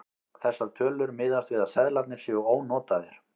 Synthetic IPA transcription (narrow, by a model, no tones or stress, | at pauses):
θɛsːaɾt̪ʰœːlʏɾmɪːðast̪vɪːðasɛðlat̪nɪɾ̥sjɛʏoːwnɔːt̪aðɪɾ̥